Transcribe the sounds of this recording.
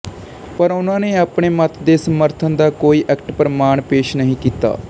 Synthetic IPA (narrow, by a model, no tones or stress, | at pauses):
pəɾʊnãːneːaːpɳeːmət̪ʰd̪eːsəməɾt̪ʰənd̪aːkoːiːʔɛːkʈpɾəmaːɳpeːʃnəɦĩːkiːt̪a̰ː